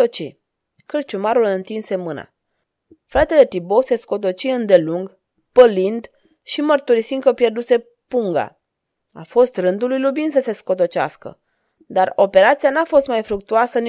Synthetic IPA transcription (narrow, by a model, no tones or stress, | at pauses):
ot͡ʃi | kɨrt͡ʃumaɾulɨnt̪inse̞mɨna̰ | fɾat̪e̞le̞t̪ibose̞sko̞t̪̬o̞t͡ʃiɨnd̪e̞luŋɡ | pəlind̪ | ʃimərt̪uɾisiŋkəpjerd̪use̞ | puŋɡa̰ | a̰fo̞st̪rɨnd̪ulujlubind̪səse̞sko̞t̪̬o̞t͡ʃea̰skə̰ | d̪aro̞pe̞ɾat̪sijanafo̞st̪majfɾuk̚t̪uasəni